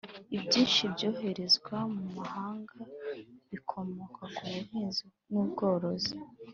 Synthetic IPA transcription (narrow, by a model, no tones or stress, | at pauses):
ibɟiːnʃibɟo̞ːɦe̞ɾe̞zɡwamumahaːŋɡaβikʰo̞mo̞kʰakuβuhiːnzi | nuːbɡo̞ːɾo̞zi